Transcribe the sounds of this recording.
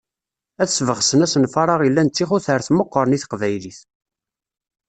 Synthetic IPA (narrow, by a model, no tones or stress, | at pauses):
æθsvəʁsənæsənfɑɾˤɑʁjəlːænt͡sːiχʊθəɾθməqːəɾˤniθqvæjliθ